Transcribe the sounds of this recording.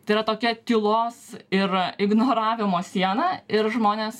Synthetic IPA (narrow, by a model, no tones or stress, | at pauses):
t̪ɐɪiɾɐt̪oːkʲɛt̪ʲɪlˠoːsɪɾɪɡnoːɾɑːʋʲɪmoːsʲiɛnɐɪɾʒmoːnʲeːs